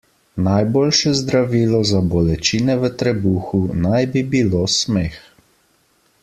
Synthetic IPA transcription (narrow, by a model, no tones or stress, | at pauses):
najboːlʃɛzd̪ɾaʋiːlɔzabɔlɛt͡ʃiːnɛʋət̪ɾɛbuːxunajbibiloːsmeːx